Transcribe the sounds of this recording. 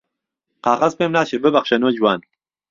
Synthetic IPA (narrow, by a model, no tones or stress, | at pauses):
qɑːχɐzpeːmnaːʃebɨbɐχʃɐnoːd͡ʒuwaːn